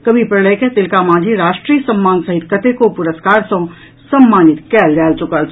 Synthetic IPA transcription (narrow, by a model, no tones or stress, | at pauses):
kəbʱipɾəleket̪ɪlkamãːd͡ʒʱiɾaːʃʈɾiːjəsəmːaːnsəɦit̪kət̪ekopʊɾəskaːɾsə̃ | səmːaːnɪt̪kɛld͡ʒɛːlt͡ʃʊkəl